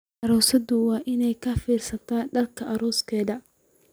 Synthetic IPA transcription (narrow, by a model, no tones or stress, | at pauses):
ʔɐɾɔːsɐdʊwɑːʔɪnɛjkʰɐfiːrsɐt̪ʰaːnɖɐlkʰɐʔɐɾɔːskʰɛːðɐ